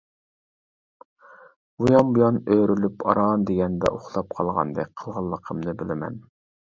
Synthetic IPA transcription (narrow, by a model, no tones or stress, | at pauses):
bujɑmbujɑnøjɾylypɑɾɑnd̪eɡʲɛnd̪ɛ̰ʔoχlˠɑp̚qʰɑlˠʁɑ̰nd̪ɨ̰qʰəlˠʁɑlˠːəqʰəmnɨbɪlɪmɛ̰n